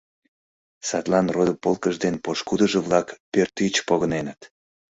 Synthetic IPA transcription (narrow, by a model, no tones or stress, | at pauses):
sɑt̪lɑnrod̪əpolkəʒd̪enpoʃkud̪əʒəβlɑkpørt̪it͡ɕpoɣənenət̪